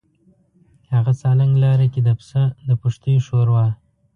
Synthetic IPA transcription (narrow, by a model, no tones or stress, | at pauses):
haɣat͡sɑlaŋɡlɑɾakid̪əpsad̪əpʊʂt̪əjoʃoɾwɑ